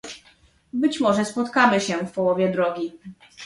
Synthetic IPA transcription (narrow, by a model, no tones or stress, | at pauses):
bɘt͡ɕmɔʐɛspɔt̪kamɘɕɛfpɔwɔvʲjɛd̪ɾɔɡʲi